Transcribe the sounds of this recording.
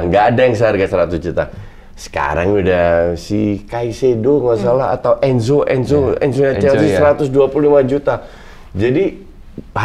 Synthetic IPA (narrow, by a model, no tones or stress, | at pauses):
ŋɡaːdajaŋs̬aarkasəɾat̪ʊsd͡ʒut̪a | sə̥ka̰ɾaŋudahsikaisedomasalaa̰t̪awʔɛns̬oʔɛnsoɛ̰nsoɲat͡ʃaaisəɾat̪ʊsduapululimad͡ʒut̪a | d͡ʒadi | h